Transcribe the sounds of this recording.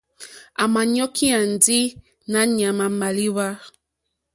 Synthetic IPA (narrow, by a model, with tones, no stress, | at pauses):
a˨ma˨ɲɔ˦kʰi˦a˨n˨di˦ | na˦ɲ˨a˨ma˨ma˨li˦wa˦